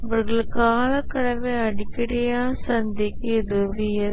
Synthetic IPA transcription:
ɐʋɐɾɣɐɭɯkːɯaːɭɐkːɐɽɐmeɐɽɪkːɪɽɐjaːsɐnd̪ɪkːɯɪðɯʋɪjɐ

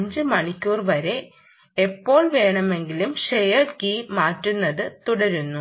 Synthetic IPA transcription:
ɲd͡ʑɨmɐɳikʲːuːrʋɐɾe̞ | epːo̞ːɭʋe̞ːɳɐme̞ŋɡilumɕejɐrkiːmaːtːunːɐðɨt̪uɽɐɾunːu

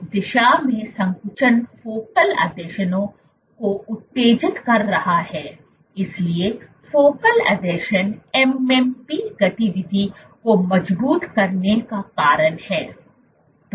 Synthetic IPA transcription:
d̪ɪʃamẽsɐ̃ŋkʊt͡ʃənfoːkəlɐ̰d̪eːʃənõ | koʊt̪ːeːd͡ʒɪt̪kɐɾːɐhaɦɛː | ɪslie | foːkəlɐ̰d̪ɛːʃənɛmɛmpiɡɐt̪iʋɪd̪ʱi | komɐd͡ʒbuːt̪kɐɾnekakaːɾənhɛː | t̪

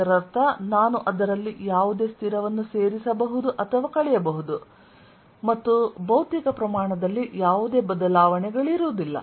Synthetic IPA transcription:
ɐɾɐɾt̪ʰɐnaːnuʔɐd̪ɐɾɐlːijaːʋud̪e̞ːst̪ʰiɾɐʋɐnːuse̞ːɾisɐbɐɦud̪uʔɐt̪ʰɐʋaːkɐɭɛjɐbɐɦud̪u | mɐt̪ːubɐwt̪ikɐpɾɐmaːɳɐd̪ɐlːijaːʋud̪e̞ːbɐd̪ɐlaːʋɐɳɛɡɐɭiɾuːd̪ilːɐ̰

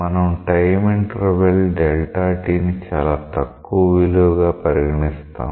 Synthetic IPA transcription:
ɐnɐmʈɐjmiɳʈɾeʋelɖelʈaːʈiːnit͡ʃaːlaːt̪ɐkːuʋɐʋiluʋɡaːpɐɾiɡɐɳist̪a̰ː

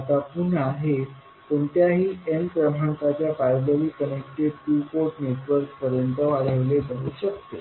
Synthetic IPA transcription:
t̪apunaɦe | koɳt̪jaɦiːʔenpɾəm̤ʱaɳkat͡ɕjafajbəliːkənek̚ʈeɖʈukoʈneʈʋəɾkpəɾjənt̪əʋaɽəʋlebʱəɦuɕəkt̪ḛ

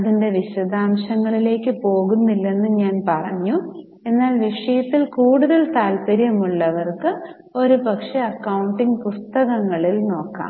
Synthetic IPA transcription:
ɐðinde̞ʋiɕɐd̪aːmɕɐŋːɐɭile̞ːkːɨpo̞ːɣunːilːe̞nːɨɲaːnpɐrɐɲːu | e̞nːaːlʋiʂɐjɐt̪ːilkuːɽuðɐlt̪aːlpɐɾjɐmuɭːɐʋɐrkɨ | o̞ɾupɐkʂe̞ɐkːɐwuɳʈiŋɡpust̪ɐɣɐŋːɐɭilno̞ːkːa̰ːm

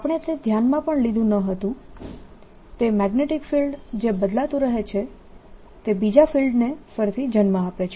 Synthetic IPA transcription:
apəɳ̃et̪ed̪ʱjanmãpəɳlid̪ʱũnəɦət̪ũ | t̪emɛɡneʈɪkfilɖd͡ʒebəd̪lat̪ũɾəɦet͡ʃʰe | t̪ebid͡ʒafilɖnefəɾt̪ʰid͡ʒənmãːpet͡ʃʰ

